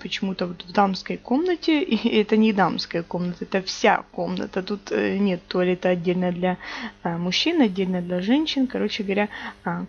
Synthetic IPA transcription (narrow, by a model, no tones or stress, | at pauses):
pət͡ɕɪmut̪əvot̪vd̪amskəjko̞mnətʲɪiɛt̪ənʲɪd̪amskəjəko̞mnət̪əɛt̪əfsʲa̰ko̞mnə̰t̪ət̪ut̪nʲe̞t̪ːolʲɪɛt̪əɐdʲːelʲnəjəd̪lʲɐmʊɕːinɐdʲːelʲnəjd̪lʲɐʐɛnʲɕːɪnkɐɾo̞t͡ɕɪɡəvɐɾʲa